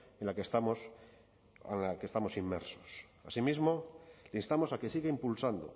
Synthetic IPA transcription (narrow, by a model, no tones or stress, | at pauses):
enlakest̪amos | a̰nakest̪amo̞simːḛɾsos | a̰simizmoleinst̪amo̞sakesiɣeimpulsand̪o̰